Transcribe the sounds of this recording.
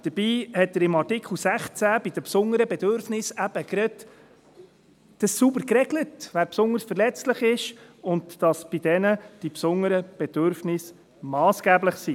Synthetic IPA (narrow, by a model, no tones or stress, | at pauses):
d̥əɾb̥iːhɛtːəɾɪmɑɾtɪkʰl̩ˠsæχt͡sæb̥ɪd̥əpsʊŋəɾəbɛd̥̪øɾfnɪsæb̥əkɾɛt | d̥əssubəɾkrɛɡlətʋæːɾpsʊndəɾsfəɾlɛt͡stlɪχɪʃʊntd̥ɑsb̥id̥ɛnəd̥ipsʊŋəɾəb̥ɛd̥øɾfnɪs | mɑːsɡ̥æːbləχsi